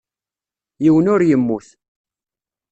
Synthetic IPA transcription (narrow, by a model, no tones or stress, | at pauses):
jiwənʊɾjəmːuθ